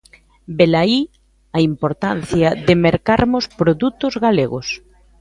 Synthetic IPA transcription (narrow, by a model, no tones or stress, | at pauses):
belai | ɐimpoɾt̪an̟θjɐðɪmeɾkaɾmʊspɾoðut̪ʊzɣaleɣʊs